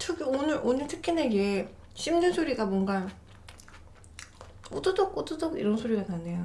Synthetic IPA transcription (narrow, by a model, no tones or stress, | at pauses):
tʰɯkonɯɾʔonɯɭtʰɯkʰineɡe | ɕʰimdɯnsʰoɾiɡamwʌŋɡa | odɯdok̚odɯdoɡḭɾʌnsʰoɾiɡanane̞jo